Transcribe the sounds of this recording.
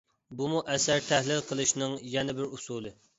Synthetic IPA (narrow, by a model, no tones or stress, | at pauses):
bumuʔɛsæɾt̪ʰɛhlɪlqʰəlˠɨʃnɨŋjɛnɪbɪɾusuːlˠɨ